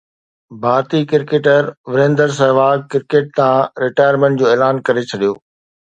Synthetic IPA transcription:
bʱaːɾt̪ikɪɾkeːʈəɾʋɪɾẽːnd̪əɾs̬ɐɦʋaːɡ̚kɪɾkeːʈ̚t̪ãɾɪʈaːjəɾmẽɳʈ̚d͡ʑoːeːlaːnkɐɾet͡ɕʰɐɗijoː

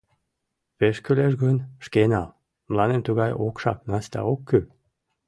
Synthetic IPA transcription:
peʃkyleʃ̬ɣønʲʃkenɑl | mlɑnemt̪uɣɑjokʃɑ̰k̚nɑst̪ɑ̰okʰːø

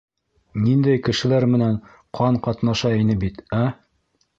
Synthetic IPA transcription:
nind̪æjkɘ̆ʃɘ̆læɾmɘ̆næɴ | qʰɑɴqɑt̪nɑʃɑinɘbit̪æ

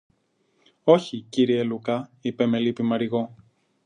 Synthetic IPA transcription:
o̞çiciɾielukɐipeme̞lipimɐɾiɣo̞

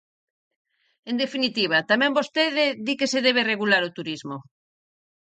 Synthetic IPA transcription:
end̪efinit̪iβ̞at̪amɛ̃mbost̪eðɪðikeseðeβereɣulaɾot̪uɾizmo

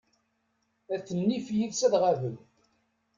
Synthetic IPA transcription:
æθənːifjiðsæðʁavəl

